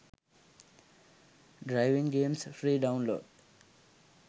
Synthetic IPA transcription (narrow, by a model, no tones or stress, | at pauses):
ɖɾaɪʋĩŋɡẽːmsfɾiːɖaʊ̃nlo̰ːɖ